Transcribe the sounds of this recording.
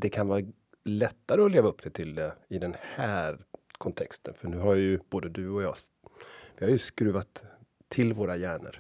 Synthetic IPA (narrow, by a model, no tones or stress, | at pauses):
d̪ɛkʰanvɑːɾ | lɛt̪ːaɾəɔleːvaɵpːd̪̥ɛt̪ʰɪld̪ɛɪd̪ɛnhæːɾkʰɔnt̪ʰɛ̰kst̪ə̰nfœɳʉ̟ːɦajɵb̥oːd̪əd̪ɵɔjɑː | vɪhaɾjɵskɾʉ̟ːvat̪ʰː | ɪlvoːɾajæːɳə̰ɾ